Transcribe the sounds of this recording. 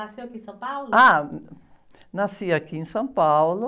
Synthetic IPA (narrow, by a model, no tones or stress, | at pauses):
asiakisãmpawla | nasiakĩːsãmpawlo